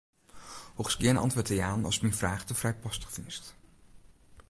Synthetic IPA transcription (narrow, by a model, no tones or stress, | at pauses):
hoχskɪːənɑ̰ntvʋʊːtɛjaːnɑ̰lˠsmɛnvraːχtəvrɛjpɑstəχdinst